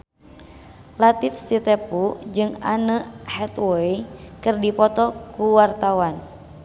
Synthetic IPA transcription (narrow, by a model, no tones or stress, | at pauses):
lat̪ifsit̪ɛpud͡ʒɨŋa̰nəhɛt̪wɔikɨrdipɔt̪ɔkuwart̪awan